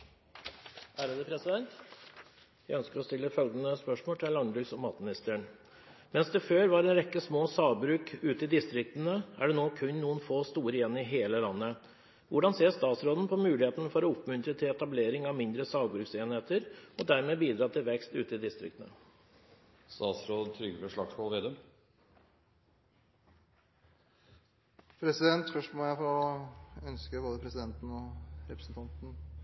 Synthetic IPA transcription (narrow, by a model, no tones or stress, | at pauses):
ʔæːɾəd̪əpʰɾɛsɪd̪ɛnt̪ | jæɪœnskəɾɔst̪ɪlːəfœlɡ̪ənəspœʂmoːʈ̪ʰɪlːɑnbɾʏsɔmɑt̪mɪnɪst̪əɳ | mɛnsd̪ɛføːɾʋɑɾɛːnɾɛkːəsmoːsɑːʋbɾʉːkʉːt̪əɪd̪ɪst̪ɾɪk̚t̪ənəæɖɛnoːkʰʉnnuːənfoːst̪uːɾəjɛnːɪɦeːləlɑnːə | ʋʊɖɑnseːst̪ɑːt̪sɾoːd̪n̩pʰɔmʉːlɪheːt̪nəfɔɾɔʊpmʉnt̪ɾət̪ʰɪlɛt̪ɑbleːɾɪŋɑʋmɪnd̪ɾəsɑːʋbɾʉːkseːnheːt̪əɾɔd̪æɾmeːbiːd̪ɾɑːt̪ʰɪlʋɛkst̪ʉ̰ːt̪əɪd̪ɪst̪ɾɪ̰kt̪nə̰ | st̪ɑːt̪sɾoːd̪t̪ʰɾʏɡəfəʂɭɑɡskoːlʋeːd̪əm | pʰɾɛsɪd̪ɛnt̪fœʂʈmɔjæɪfɔɾɔœnskəboːd̪əpʰɾɛsɪd̪ɛnt̪n̩ɔɾɛpɾəsn̩t̪ʰɑnt̪n̩